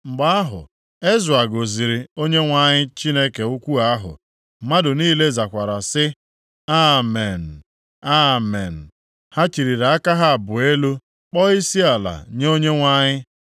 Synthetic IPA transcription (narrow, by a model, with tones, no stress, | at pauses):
ŋ͡m̩˨ɡ͡ba˦a˦ɦʊ̰˨ | e˦zʊ˨a˨ɡo˨zi˨ɾi˨o˦ɲe˦ŋʷa˦˨ɲɪ˦t͡ʃi˦ne˦ke˨u˦kʷu˦a˦ɦʊ̰˨ | ma˦dʊ˨niː˦le˦za˨kʷa˨ɾa˨sɪ˦ | a˦me˨n̩˨ | a˦me˨n̩˨ | ha˦t͡ʃi˨ɾi˨ɾa˨a˦ka˦ɦa˦a˨bʊ˨e˦lu˦ | k͡pɔ˦i˦si˦a˨la̰˨ɲ˦o˦ɲe˦ŋʷa˦ɲɪ˦